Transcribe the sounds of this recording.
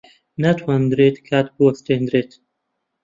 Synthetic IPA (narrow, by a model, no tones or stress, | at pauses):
nat̪ʰwand̪ɾet̪kʰat̪puɐst̪ẽnd̪ɾet̪